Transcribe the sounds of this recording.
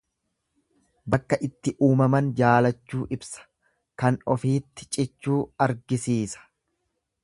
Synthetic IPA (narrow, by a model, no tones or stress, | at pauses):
bɐkːɐʔɪt̪ːɪʔuːmɐmɐnd͡ʒaːlɐt͡ʃːuːʔɪbsɐ̥ | kɐnɔfiːt̪ːɪ̥t͡ʃʼɪt͡ʃːuːɐɾɡɪsiːsɐ̥